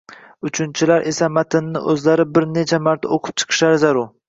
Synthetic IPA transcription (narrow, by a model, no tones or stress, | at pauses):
ʊt͡ʃʰɪnt͡ʃʰɪlaɾʔe̞samat̪ʰɪnːɪ̰ʔɵzlaɾɪbɪɾne̞t͡ʃʰamaɾt̪ʰa̰oqʰʊ̥p̚t͡ʃʰɨ̥qʰɨ̥ʃaɾɪzaɾʊɾ